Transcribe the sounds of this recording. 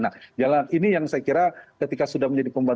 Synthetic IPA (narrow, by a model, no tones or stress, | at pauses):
nak̚d͡ʒalinijaŋsajakiɾakət̪ikasudahməɲd͡ʒadipəmban